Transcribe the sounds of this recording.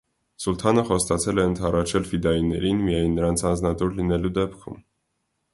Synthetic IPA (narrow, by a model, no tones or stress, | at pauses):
sult̪ʰɑnəχɔst̪ɑt͡sʰɛlɛənt̪ʰɑrɑt͡ʃʰɛlfid̪ɑinːɛ̰ɾinmijɑjnːəɾɑnt͡sʰɑnd͡znɑt̪uɾlinɛlud̪ɛpkʰṵm